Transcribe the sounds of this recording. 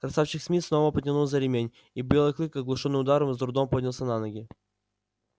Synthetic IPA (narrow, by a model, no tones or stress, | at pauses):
kɾɐsafɕɪxsʲmʲisno̞vəpətʲɪnulˠzəɾʲɪmʲenʲ | ibʲelˠɨklˠɨkɐɡlˠʊʂonːɨmʊd̪aɾəmzd̪ɾʊd̪ompodʲnʲɪlˠsʲənanəɡʲɪ